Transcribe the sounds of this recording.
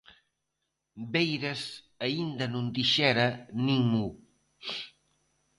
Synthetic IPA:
bejɾəz | ɐind̪ənund̪iʃɛɾəniŋmu

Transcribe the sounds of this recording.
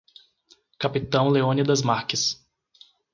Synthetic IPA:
kapit̪ɐ̃w̃leõnɪd̪ɐzmaɾkɪs

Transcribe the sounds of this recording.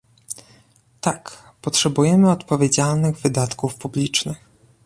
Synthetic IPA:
t̪ak | pɔtʂɛbujɛmɘɔt̪pɔvʲjed͡ʑalnɘɣvɘd̪at̪kufpublʲit͡ʂnɘx

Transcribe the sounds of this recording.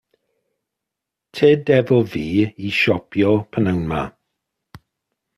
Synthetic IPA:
tʰeːdɛvɔviːiʃɔpʰjɔpʰənawnma̰

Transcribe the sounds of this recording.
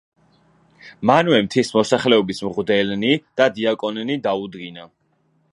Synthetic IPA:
manwɛmt̪ʰismɔsaχlɛɔbismʁvd̪ɛlnid̪̥ad̪iakʼɔnnid̪aud̪ɡina

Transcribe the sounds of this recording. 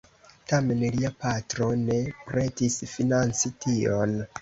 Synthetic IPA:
tame̞nliapatɾo̞ne̞pɾe̞tisfinant͡sitʰio̰n

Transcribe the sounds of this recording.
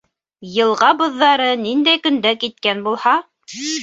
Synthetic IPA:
jɤ̆lˠʁɑbŏðːɑɾɤnind̪æjkɵ̆nd̪ækit̪̚kænbulˠhɑ

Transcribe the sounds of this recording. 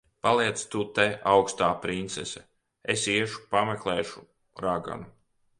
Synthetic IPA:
palˠiɛt̪st̪ut̪eawkst̪aːpɾint̪sɛsɛ | esiɛʃu̥pameklˠeːʃu̥ | ɾaɡa̰nu

